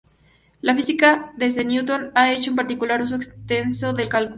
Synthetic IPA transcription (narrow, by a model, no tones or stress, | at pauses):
lafisikaðezenjut̪onae̞t͡ʃoumpaɾt̪ikulaɾus̬o̞ekst̪e̞nso̞ðe̞lkalk